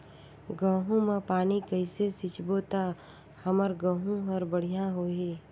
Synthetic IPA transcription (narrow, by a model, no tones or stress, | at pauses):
ɡə̃ːɦũmẽpaːnikəɪsesɪt͡ʃbot̪a | hɐməɾɡə̃ːɦũɦəɾbəɽ̤ijãɦoːeː